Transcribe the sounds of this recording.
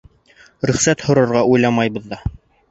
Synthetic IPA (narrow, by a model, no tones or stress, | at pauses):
ɾɵ̆χsæt̪hŏɾɤ̆ɾʁɑujlˠɑmɑjbɤ̆ðːɑ